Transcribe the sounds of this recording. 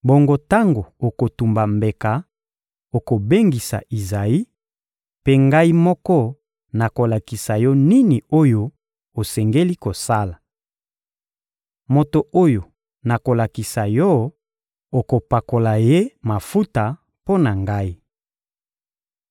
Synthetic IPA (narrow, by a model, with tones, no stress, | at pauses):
bo˨ŋɡo˨ta˦ŋɡo˨o˨ko˨tu˨mba˨mbe˨ka˨ | o˨ko˨be˦ŋɡi˨sa̰˨ʔi˨za˨i˦ | pe˦ŋɡa˦i˦mɔ˦kɔ˦ | na˨ko˨la˨ki˨sa˨jɔ˦ni˦ni˨o˦jo˨ | o˨sɛ˨ŋɡe˦li˦ko˨sa˦la˨ | mo˨to˨ʔo˦jo˨ | na˨ko˨la˨ki˨sa˨jɔ˦ | o˨ko˨pa˨ko˨la˨je˦ma˨fu˦ta˨ | po˦na˨ŋɡa˦i˦